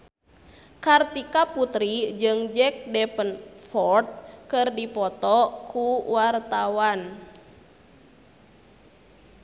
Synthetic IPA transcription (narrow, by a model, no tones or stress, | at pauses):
kart̪ikaput̪ɾid͡ʒɨŋd͡ʒɛk̚dɛpənfɔrt̪̚kɨrdipɔt̪ɔkʰuwart̪awan